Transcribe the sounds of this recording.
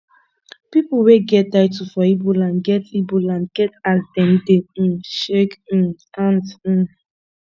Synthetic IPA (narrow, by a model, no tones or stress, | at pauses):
pipuweɡɛt̚daɪtufɔibulãnɡɛtibulãnɡ̥ɛtadɛ̃ndeʃek̩ | ãnd̩